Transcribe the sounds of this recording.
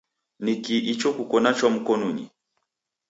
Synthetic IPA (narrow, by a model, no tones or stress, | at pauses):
nikiʔit͡ʃɔkukɔnat͡ʃwam̩kɔnuɲḭ